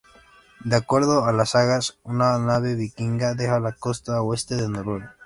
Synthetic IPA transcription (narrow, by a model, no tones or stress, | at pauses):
d̪eakweɾðoalasaɣasunanaβeβikiŋɡaðexalakost̪awest̪eðenoɾel